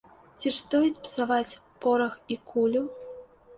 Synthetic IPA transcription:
t͡sʲiʂt̪ɔjit͡sʲpsavat͡sʲpɔɾɐxikʰulʲu

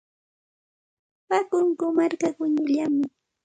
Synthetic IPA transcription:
pakʊŋkʊmaɾkaɢʊɲʊʎamɪ

